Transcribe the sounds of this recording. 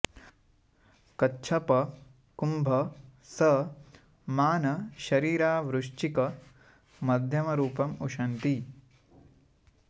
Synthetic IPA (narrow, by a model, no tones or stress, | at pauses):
kɐtːt͡ʃʰɐpɐ | kumbʱɐsɐ | maːnɐʃɐɾiːɾaːʋɾuʂt͡ʃikɐ | mɐd̪ʱjɐmɐɾuːpɐmuʂɐnt̪i